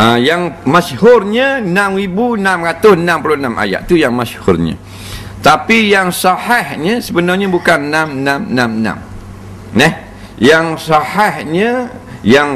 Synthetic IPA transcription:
əjaŋmashʊrɲanãmɾibunamkat̪ʊsənãmpulʊnamʔa̰ja̰ʔt̪ujaŋmashʊrɲa̰ | t̪apijaŋsahahɲasəbənarɲabukanːãmnamnamnã̰m | nɛh | jaŋsahahɲa | jaŋ

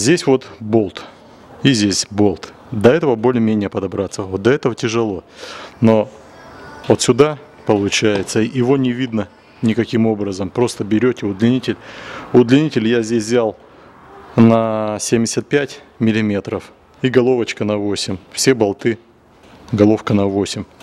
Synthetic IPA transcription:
zʲdʲesʲvo̞t̪bo̞lˠt̪ | izʲdʲesʲbo̞lˠt̪ | d̪ɐɛt̪əvəbo̞lʲɪmʲenʲɪjəpəd̪ɐbɾat̪səot̪̚d̪ɐɛt̪əvətʲɪʐɨlˠo̞no̞ | vot̪sʲʊd̪a | pəlˠʊt͡ɕæjɪt̪səɪvo̞nʲɪvʲid̪nə | nʲɪkɐkʲimo̞bɾəzəmpɾo̞st̪əbʲɪɾʲotʲɪʊd̪lʲɪnʲitʲɪlʲʊd̪lʲɪnʲitʲɪlʲjazʲdʲesʲvzʲalˠ | nɐsʲemʲdʲɪsʲət̪̚pʲætʲ | mʲɪlʲɪmʲe̞t̪ɾəf | iɡɐlˠo̞vət͡ɕkənɐvo̞sʲɪmʲfsʲebɐlˠt̪ɨ | ɡɐlˠo̞fkənɐvo̞sʲɪmʲ

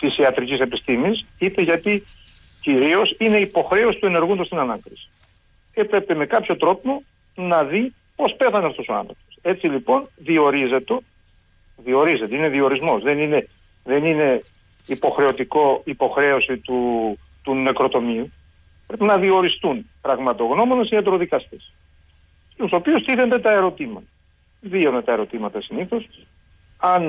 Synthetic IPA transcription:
t̪isiɐt̪ɾicise̞pist̪imisit̪eʝɐt̪i | ciɾio̞sine̞ipo̞xɾe̞o̞si̥t̪ue̞ne̞ɾɣund̪ost̪inɐnɐkɾisi̥ | epɾe̞peme̞kɐpço̞t̪ɾo̞t̪imo | nɐði | po̞spe̞θɐneɐft̪osoɐ̰nθɾo̞po̥se̞t͡silipo̞nðio̞ɾize̞t̪o̞ | ðio̞ɾize̞t̪eine̞ðio̞ɾizmo̞sðe̞nine̞ | ðe̞nine̞ | ipo̞xɾe̞o̞t̪iko̞ipo̞xɾe̞o̞sit̪u | t̪une̞kɾo̞t̪o̞miu | pɾe̞pinɐðio̞ɾist̪unpɾɐɣmɐt̪o̞ɣno̞mo̞nesiɐd̪ɾo̞ðikɐst̪es | uso̞piust̪iθe̞nd̪e̞t̪ɐe̞ɾo̞t̪imɐt̪ɐ | ðiond̪et̪ɐe̞ɾo̞t̪imɐt̪ɐsiniθo̞s | ɐn

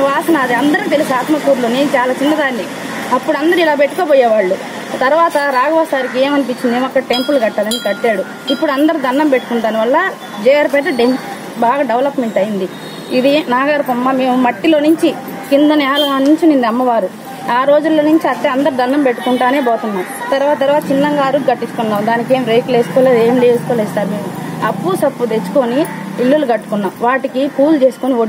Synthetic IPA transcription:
ʋaːsɐnɐːd̪iɐnd̪ɐɾɐkit̪elisiaːt̪mɐkuːɾluneːnut͡ʃaːlaːt͡ʃinːɐd̪aːnːi | ɐpːuɽɐnd̪ɐɾuilaːp̬e̞ʈːukoːpɔːjɛːʋaːɭːu | t̪ɐɾʋaːt̪ɐɾaːɡɐʋɐsaːɾikieːmɐnip̬iɲt͡ʃːind̪iɔkːɐʈe̞mpulɡɐʈːaːd̪ɐnikɐʈːeːɽu | ipːuɽuɐnd̪ɐɾud̪ʱɐnːɐmpeʈːu̥kuɳʈ̪aːniʋɐlːɐ | d͡ʒɛːɐɾpɛːʈ̪ɐɖen | baːɡaːɖeʋɐlɐpme̞ɳʈɐjind̪i | id̪inaːɡaːɾpɐmːame̞ːmumɐʈːilo̞ːnuɲt͡ʃi | kind̪ɐnɛːlɐnuɲt͡ʃininːɐmːɐʋaːɾu | aːɾo̞ːd͡ʒulːo̞ːnuɲt͡ʃiɐt̪ːeɐnd̪ɐɾud̪ʱɐnːɐmpe̞ʈːu̥kuɳʈaːne̞ːboːt̪unːaːmut̪ɐɾʋaːt̪ɐt̪ɐɾʋaːt̪ɐt͡ʃinːɐŋɡaːɾuɡɐʈːit͡ʃːu̥kunːaːmd̪aːnik̬e̞ːmɾe̞ːkle̞ːsu̥kɔːleːd̪eːmideːsu̥koːleːsʈaːɾumeːmuɐpːusɐpːud̪et͡ʃːu̥koːniːlːuluɡɐʈːu̥kunːaːmʋaːʈikipuːlt͡ʃe̞ːsu̥koːniʋoːɽ

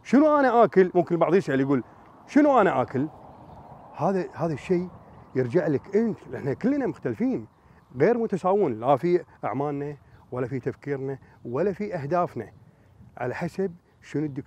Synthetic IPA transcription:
ʃənuʔanaʔaːkɪlmʊmkɪnbɑʕðˤjɪsʔaljɡuːl | ʃənuʔanaʔaːkəl | haːðahaːðaʃːeːjɪɾd͡ʒaʕləkʔɪnt̪lʔɪħnakɪlːnamʊxt̪alfiːn | ɣeːɾmʊt̪asaːwɪnlafiʔa̰ʕmaːlnawalːafit̪afkiːɾnawalːafiʔahd̪aːfna | ʕa̰laħasab̚ | ʃɪnud̪ːɪk

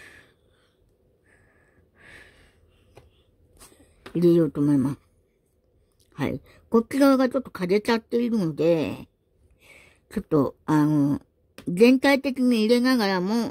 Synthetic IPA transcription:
iɾejo̞ːt̪o̞ːmo̞imasɨ̥ | ha̰ḭ | ko̞kʲːiɡaβaɡat͡ɕo̞t̪ːo̞̥kad̪e̞t͡ɕat̪ːe̞iɾɯ̟no̞d̪e̞ | t͡ɕo̞t̪ːo̞ano̞ | d͡zẽ̞nt̪ait̪e̞kʲiɲ̟iːɾe̞naɡaɾamo

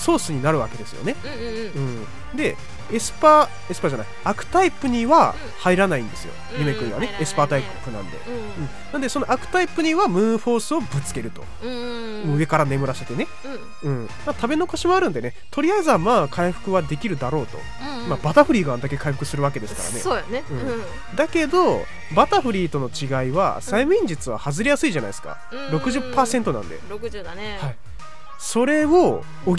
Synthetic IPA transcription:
so̞ːsɨɲ̟inaɾɯ̟βa̰ke̞d̪e̞sɨjo̞̰ne̞ | ɯ̟̃ɴ | d̪e̞ | esɨ̥pa | e̞sɨ̥paʑana̰iakɯ̟̥t̪aipɯɲ̟iβa | haiɾanaĩnd̪e̞sɨjo̞̰ | ɲime̞kɯ̟ɾiβa̰ne̞esɨ̥paːt̪aippːɯ̟nã̰nd̪e̞̰ | ɯ̟̃ | nand̪eso̞no̞ʔakɯ̟̥t̪aipɯ̟ɲ̟iβamɯ̟ːɸo̞ːsɨo̞bɯ̟t͡sɨ̥ke̞ɾɯ̟t̪o̞̰ | moɯ̟e̞kaɾane̞mɯ̟ɾaɕet̪e̞ne̞ | ɯ̟̃ɴ | mat̪abe̞no̞koɕimo̞aɾɯ̟nd̪e̞ne̞t̪ʰo̞ɾʲiaizamaːkʰaiɸɯ̟̥kɯ̟βad̪e̞kʲiɾɯ̟d̪aɾo̞ːt̪o̞̰ | mabat̪aɸɯ̟ɾʲiːɡaãnd̪ake̞kaiɸɯ̟kɯ̟sɨɾɯ̟βake̞d̪e̞sɨ̥ka̰ɾa̰ne̞snɯ̟̃ɴ | d̪ake̞d̪o̞ | bat̪aɸɯ̟ɾʲiːt̪o̞no̞t͡ɕiɡaiβa̰saimɯ̟ĩɲ̟d͡ʑit͡sɨβa̰hazɨɾejasɨiʑana̰isɨ̥ka̰ | ɾo̞kɯ̟ʑɨpːaːsẽ̞nt̪onã̰nd̪e̞̰ɾ | hai | so̞ɾe̞o | o

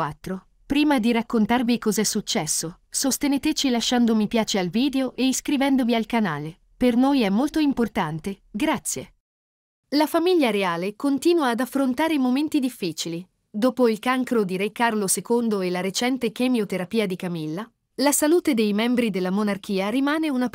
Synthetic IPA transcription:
at̪ːɾo | pɾiːmad̪iɾakːont̪arvikɔzɛsːut͡ʃːɛsːo | sost̪eneːt̪et͡ʃilaʃːand̪omipjaːt͡ʃealviːd̪eoʔeiskɾivɛnd̪ovialkanaːle | pernojɛmːolt̪oimport̪ant̪e | ɡɾat̪sːje | lafamiʎːaɾeaːlekont̪iːnwaːd̪afːɾont̪aːɾemoment̪id̪ifːiːt͡ʃili | d̪oːpoilkaŋkɾod̪iɾekːarlosekond̪oelaɾet͡ʃɛnt̪ek̟emjot̪eɾapiːad̪ikamilːa | lasaluːt̪ed̪ejmɛmbɾid̪elːamonark̟iːaɾimaːneuna

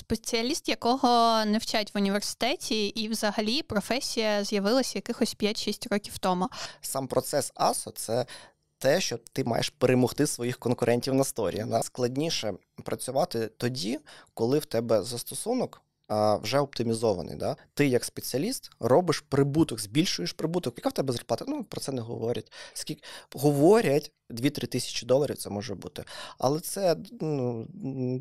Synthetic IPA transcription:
spet͡sʲiɐlʲist̪jɐkɔɦɔnewt͡ʃatʲʋʊnʲiʋersɪ̥t̪ɛtʲiʔːwzɐɦɐlʲipɾɔfɛsʲijɐzjɐʋɪlˠɐsʲɐjɐkɪxɔsʲpʲjatʲʃisʲtʲrɔkʲiwt̪ɔmʊsɑmpɾʔɔt̪sɛsɑsɔsɛ | t̪ɛʃt͡ʃɔt̪ɪmɑ̰jɛ̰ʃpeɾemɔxt̪ɪsʋɔjixkɔnkʊɾʔɛnʲtʲiwnɐst̪ɔɾʲḭjɐd̪asklˠɐdʲnʲiʃɛ | pɾɐt͡sʲʊʋɑt̪ɪt̪ɔdʲikɔlˠɪwt̪ɛbɛzɐst̪ɔsunɔk | ʋwʒɛɔp̚t̪ɪmʲizɔʋɐ̰nɪ̰jd̪at̪ɪjɐkspet͡sʲiɐlʲist̪rɔbɪʃpɾɪbut̪ɔkzʲbʲilʲʃʊjeʃpɾɪbut̪ɔkjɐkawt̪ɛbɛzɐrplˠɑt̪ɐnupɾɔtsɛnɛɦɔ̰ʋɔɾʲɐtʲsʲkʲilʲkɦɔʋɔɾʲɐtʲ | d̪ʲʋʲit̪ɾɪt̪ɪsʲɐ̥t͡ʃʲɪd̪ɔlˠɐɾʲḭwtsɛmɔʒɛbut̪ɪɐ̰lˠɛt̪sɛnu

